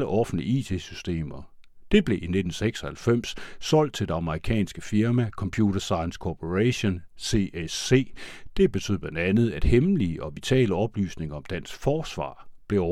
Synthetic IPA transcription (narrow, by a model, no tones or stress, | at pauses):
ləʔɒ̽fn̩dlḭiːt͡sʰe̝̰sysd̥e̝̰ːmɐ | d̥e̝b̥le̝ʔine̝d̥n̩seɡ̥sɒhælfem̰ssɒ̽l̰d̥̚t͡sʰe̝ld̥e̝ɑ̈məʁikʰɛ̰ːnsɡ̥əfiɐmækʰɒ̽mpʰjuːdɐsɑ̈ɪənskʰopʰoʁæɕo̝nse̝ese̝̰ːd̥e̝b̥e̝t͡sʰy̰ð̩̰ˠb̥lænd̥ænð̞̩ˠæd̥hemliəʔɒ̽ʋit͡sʰɛ̰ːləɒ̽b̥ly̰ːsne̝ŋɐɒ̽md̥æn̰sɡ̥fɒːsʋɑ̰̈ːb̥le̝ɒ